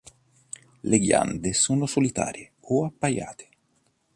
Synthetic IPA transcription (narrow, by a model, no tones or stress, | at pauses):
leɡja̰nd̪esoːnosolit̪a̰ːɾje | oapːaja̰ːt̪ʰe̥